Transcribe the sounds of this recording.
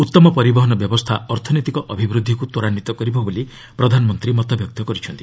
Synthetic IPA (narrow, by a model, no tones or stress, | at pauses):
ut̪ːɔmɔpɔɾibɔɦɔnɔbjɔbɔst̪ʰaɔɾt̪ʰɔnot̪ikɔʔɔbʱibɾud̪ʱːikut̪oɾanit̪ɔkɔɾibɔboli | pɾɔd̪ʱanɔmɔnt̪ɾimɔt̪ɔbjɔk̚t̪ɔkɔɾit͡ʃʰɔnt̪i̥